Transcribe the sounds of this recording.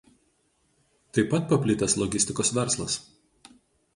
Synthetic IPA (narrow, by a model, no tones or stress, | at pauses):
t̪ɐɪpɐt̪̚pɐpʲlʲɪt̪ɐslˠɔɡʲɪsʲt̪ʲɪkoːsʋʲɛɾslˠɐs